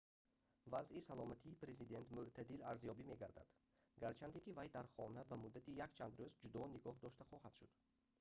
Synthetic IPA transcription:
vazʔisalɔmat̪ʰiːpɾe̞zid̪e̞nt̪muʔt̪ʰad̪ilaɾzjɔbime̞ɡaɾd̪a̰d̪̥ | ɡaɾt͡ʃʰant̪ekivajd̪aɾχɔnabæmud̪ːat̪ijakt͡ʃʰand̪ɾozd͡ʒud̪ɔniɡɔhd̪ɔʃt̪aχɔhad̪ʃud̪̥

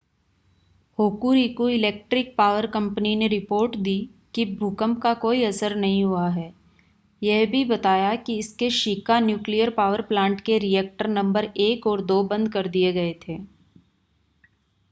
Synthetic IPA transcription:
hoːkuːɾikuɪlɛːk̚ʈɾɪk̚paːʋəɾkɐ̃mpənineɾɪpoːɾʈd̪iː | kibʱukəmpkakoːiɐsəɾnɐɦĩɦuaɦɛː | jɛɦbʱibɐt̪aːjakiɪskeʃikanjuːklijəɾpaːʋəɾplãːɳʈkeɾiɛːk̚ʈəɾnɐ̃mbəɾeːkɔːɾd̪oːbɐ̃nd̪kɐɾd̪ieɡɐet̪ʰeː

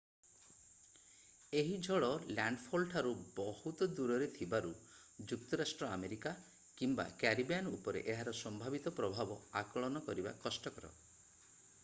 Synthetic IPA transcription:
eɦid͡ʒʱɔɭɔlaɳɖpʰolʈʰaɾubɔhut̪ɔd̪uɾɔɾet̪ʰibaɾu | d͡ʒuk̚t̪ɔɾasʈɾɔa̰meɾika | kimba̰kaɾibianupɔɾḛʔeɦaɾɔsɔmbʱabit̪ɔpɾɔbʱabɔakɔɭɔnɔkɔɾiba̰kɔsʈɔkɔɾɔ̰

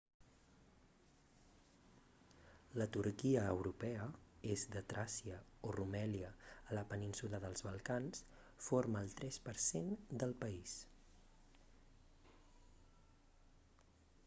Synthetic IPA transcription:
lət̪uɾkiəːwɾupɛəezd̪ət̪ɾʔasiəorumɛliəːləpəninsuləðəlˠzβəlˠkans | foɾməːlˠt̪ɾɛspəɾsend̪əlˠpəis

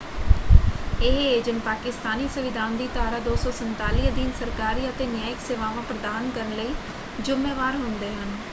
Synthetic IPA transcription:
ɪɦeːd͡ʒənpaːkɪst̪aːniːsʊʋɪd̪ʱaːnd̪iːt̪aːɾaːd̪oːsɔːsənt̪aːliːd̪iːnsəɾkaːɾiːət̪eːnɪjaːɪkseːʋaːʋãːpɾəd̪aːnkəɾənləiː | d͡ʒʊmeːʋaːɾɦʊnd̪eːɦən

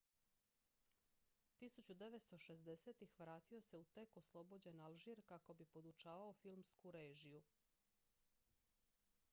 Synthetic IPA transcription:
t̪isut͡ɕud̪e̞ʋet̪st̪o̞ʃezd̪e̞seːt̪ixʋɾaːt̪io̞se̞ut̪e̞koslˠo̞bo̞d͡ʑe̞nalˠʒiɾkako̞bipo̞d̪ut͡ʃaːʋaofilˠmskuɾe̞ːʒiju

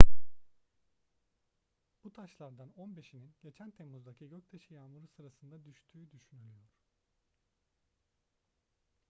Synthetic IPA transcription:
b̥ut̪ʰaʃlˠaɾd̪ano̞nbe̞ʃininɟe̞t͡ʃʰænt̪ʰe̞muzd̪acʰiɟøct̪ʰeʃijaːmuɾusɯɾasɯnd̪ad̪yʃt̪ʰyːd̪yʃynylʲyjo̞ɾ̥

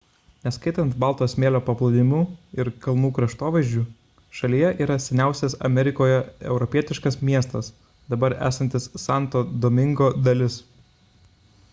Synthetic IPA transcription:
nʲɛskɐɪt̪ɐnt̪bɑˑlˠt̪oːsmʲeːlʲoːpɐplˠɐd̪ʲɪmʲuːɪɾkɐlˠnuːkɾɐʃt̪oːʋɐɪʒʲd͡ʒʲuː | ʃɐlʲijɛʔiːɾɐsʲɛnʲæˑʊsʲɛsɐ̰mʲɛɾʲɪkoːjɛɛ̰ʊɾɔpʲiɛt̪ʲɪʃkɐsmʲiɛst̪ɐs | d̪ɐbɐɾæ̰ːsɐnʲt̪ʲɪsːɑˑnt̪oːd̪oːmʲɪŋɡoːd̪ɐlʲɪs

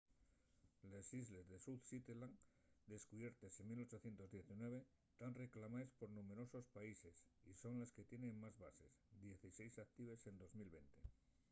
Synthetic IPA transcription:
lesizlezðesuðsit̪elaŋ | d̪e̞skuβje̞ɾt̪ese̞milo̞t͡ʃo̞θje̞nt̪o̞zðje̞θinwe̞β̞e̞ | t̪anre̞klamaespo̞ɾnume̞ɾo̞so̞spaise̞siso̞nleske̞t̪je̞nẽ̞ŋmazβase̞̰sd̪je̞θisejsak̚t̪iβ̞e̞se̞nd̪o̞zmilβe̞̰nt̪e̞

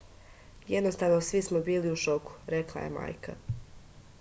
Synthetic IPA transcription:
jed̪nost̪aʋno̞sʋismo̞biːliuʃo̞ku̥ɾeklˠa̰je̞̰ma̰ːjka̰

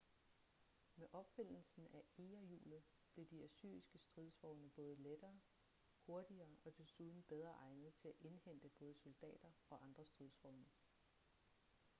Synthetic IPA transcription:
meʔɒ̽b̥fe̝n̰l̩sn̩æeːɐjṵːlð̩ˠ | b̥le̝d̥iæsy̰ːɐisɡ̥əsd̥ʁið̞ˠsʋɒʊnəb̥ɔ̽ːð̞̩ˠled̥ɐː | ho̝ɐd̥iɐːɒ̽d̥e̝suð̞ˠn̩b̥eð̞ˠʁɐʔɑ̈ɪnəð̩ˠt͡sʰe̝læʔe̝nhen̰d̥əb̥ɔ̽ːð̞ˠso̝ld̥ɛ̰ːd̥ɐɒ̽ʔɑ̈nd̥ʁɐsd̥ʁið̞ˠsʋɒʊnə

